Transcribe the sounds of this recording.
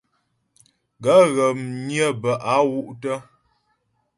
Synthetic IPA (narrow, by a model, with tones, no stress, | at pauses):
ɡa˨˦ɣə˨mnjə˦˨bə˨ʔa˨˦wu˦ʔtə˦